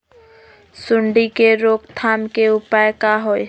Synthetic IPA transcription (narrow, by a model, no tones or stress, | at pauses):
sʊɳɖikeɾokt̪ʰaːmkeʊpajkaɦoj